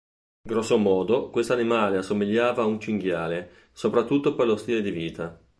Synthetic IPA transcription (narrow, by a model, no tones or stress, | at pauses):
ŋɡɾɔsːomɔːd̪okwest̪oanimaːleasːomiʎːaːvaunt͡ʃiŋɡjaːle | sopɾat̪ːut̪ːoperlost̪iːled̪iviːt̪a